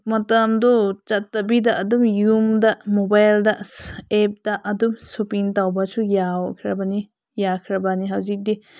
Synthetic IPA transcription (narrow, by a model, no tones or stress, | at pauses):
mɐtɐmdɔt͡ʃɐtːɐbidɐɐdumjumdɐmobajldɐep̚d̥ɐʔɐdumsupiŋtawbɐsujawkʰɾɐbɐni | jakʰɾɐbaniɦɐwzik̚di